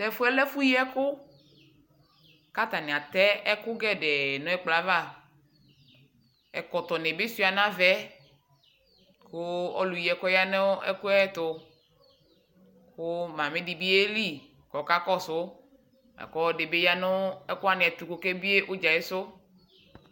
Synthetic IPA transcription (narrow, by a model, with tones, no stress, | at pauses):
tɛ˦fʊ˦ɛ˦lɛ˦fu˦ji˦ɛ˦kʊ˦ | ka˦t̪a˨nɪ̃˨a˨t̪ɛ˦ɛ˦kʊ˦ɡɛ˦ɖe˨nʊ̃˦ɛ˦k͡pla˨va˦˨ | ɛ̰˨kɔ˨t̪ɔ˨nẽ˨be˦si˦˨a˨nã˦vɛ˦ | kʊ˦ɔ̰˦lu˨ji˨ɛ˨kɔ˦ja˦ne˦ɛ̰˦kʊ˦ɛ˦t̪ʊ˨ | kʊ˦mã˨mẽ˦di˨bi˦e˦li˦˨ | kɔ˨ka˦kɔ˦sʊ˦ | ɛ̰˨kɔ˦ɖe˨be˦ja˦nʊ̃˦ɛ˦kʊ˦a˦nɪ̃˨ɛ˨t̪ɾu˨ko˨ke˦bi˦e˦ʔo˦d͡ʒa˨je˦sʊ˦